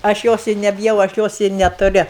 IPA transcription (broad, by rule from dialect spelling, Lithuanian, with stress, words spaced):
ɐʃ ˈjoːs ɪ nʲɛbʲɪˈjɛʊ ɐʃ ˈjoːs ɪ nʲɛtʊˈrʲɪ